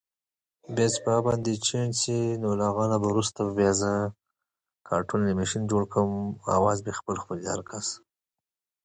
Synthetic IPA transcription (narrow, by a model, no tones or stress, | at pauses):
bjasbabɑnd̪et͡ʃensinolaɣɑnabaɾust̪abbjɑzə | kʰɑɾʈulnimeʃind͡ʒoɽkʰəma̰wɑzbexpəlxpəljɑ̰aɾkʰas